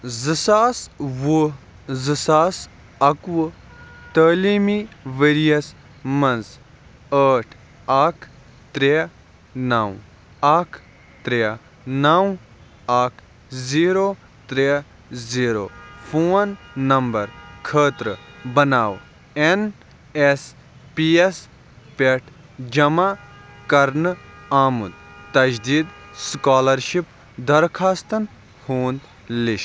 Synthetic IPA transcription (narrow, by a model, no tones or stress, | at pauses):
zɨsaːsʋu | zɨsaːs | ɐkʋ | t̪əːliːmiʋeːɾijɐs | mɐnz | əːʈʰ | akʰ | t̪ɾe | naːw | akʰ | t̪ɾe | naːw | aːkʰ | ziːɾoː | t̪ɾe | ziːɾoːpʰoːnːɐmbɐɾkʰəːt̪ɾɨbɐnaːw | en | es | piːes | peʈʰ | d͡ʒɐmaːkɐɾnaːmud̪t̪ɐd͡ʒd̪iːd̪skaːlɐɾʃip | d̪ɐɾkʰaːst̪ɐn | huːnd̪ | liʃ